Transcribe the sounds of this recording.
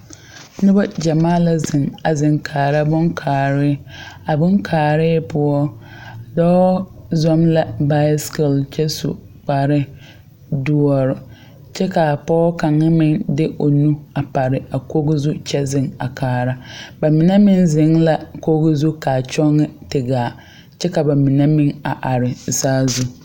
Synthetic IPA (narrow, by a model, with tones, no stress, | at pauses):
nʊ˦ba˦d͡ʒa˨maː˦la˨zɪ˨ŋa˨zɪ˨ŋkʰaː˨ɾa˦bʊ˦ŋkʰaː˨ɾɪ˦a˨bʊ˦ŋkʰaː˨ɾɪː˦pʊ˦ɔ˦dɔː˦zɔ˦mla˦ba˦jskɪ˨lt͡ʃɛ˦sṵ˨ | k͡pa˨ɾɪ˦ | dʊ˦ɔ˨ɾʊ˨ | t͡ʃɛ˦ka˨pɔː˦ka˨ŋːɪ˦mɪ˦ŋdɪ˦ʔo˨nũ˦a˨pa˨ɾɪ˨a˨ko˦ɡɪ˦zu˦t͡ʃɛ˦zɪ˨ŋa˨kʰaː˨ɾa˦ba˨mɪ˨nɛ˦mɪ˦nzɪ˨˦ŋla˦ko˦ɣɪ˦zu˦ka˨t͡ʃɔ˦ŋːɪ˦tɪ˨ɡaː˨ | t͡ʃɛ˦ka˨ba˨mi˨nɛ˦mɪ˦ŋa˨ʔa˨ɾɪ˨saː˦zu˦